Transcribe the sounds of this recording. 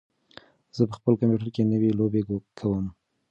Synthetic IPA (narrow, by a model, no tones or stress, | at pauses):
z̥əpəxpəlkampjuʈəɾkenəwelobekʰawəm